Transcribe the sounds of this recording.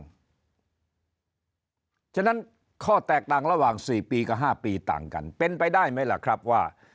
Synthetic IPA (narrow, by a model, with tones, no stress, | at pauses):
t͡ɕʰa˥˩na˦˥n | kʰɔː˥˩t̪ɛː˨˩k̚t̪aː˨˩ŋɾa˧waː˨˩ŋsiː˨˩piː˧kaː˨˩ɦaː˥˩piː˧t̪a̰ː˨˩ŋka̰˧npe˧npa˧jdaː˥˩jma˦˥jla̰˨˩kʰɾa˦˥p̚waː˥˩